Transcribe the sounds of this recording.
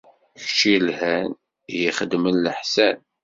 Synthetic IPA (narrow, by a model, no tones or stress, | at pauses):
çt͡ʃilhæn | jiχəd̪mənləħsæn